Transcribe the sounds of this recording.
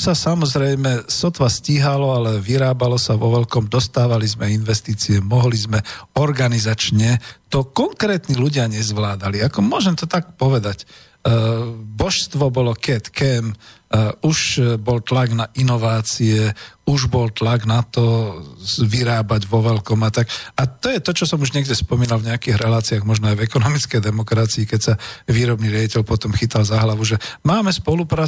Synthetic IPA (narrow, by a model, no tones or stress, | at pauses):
sasamɔzɾɛjmɛsɔt̪ʋasciɦalɔalɛʋiɾaːbalɔsaʋɔʋɛlkɔmd̪ɔst̪aːʋalizmɛinʋɛst̪iːt͡siɛmɔɦlizmɛɔɾɡanizat͡ʃɲɛt̪ɔkɔŋkɾɛːt̪niluɟɪaɲɛzʋlaːd̪aliakɔmʊɔʒɛmt̪ɔt̪ak̚pɔʋɛd̪ac | bɔʃst̪ʋɔbɔlɔkɛt̪kɛm | uʃbɔlt̪laɡnaʔinɔʋaːt͡siɛuʒbɔlt̪laɡnat̪ɔ | ʋiɾaːbaɟʋɔʋɛlkɔmat̪akat̪ɔjɛt̪ɔt͡ʃɔsɔmuʒɲɛɡɟɛspɔmiːnalvɲɛakiːɣɾɛlaːt͡siaɣmɔʒnɔajvɛkɔnɔmit͡skɛjd̪ɛmɔkɾat͡siːkɛcsaʋiːɾɔbniɾɪaɟicɛʎpɔt̪ɔmxit̪alzaɦlaʋuʒɛmaːmɛspɔlupɾaː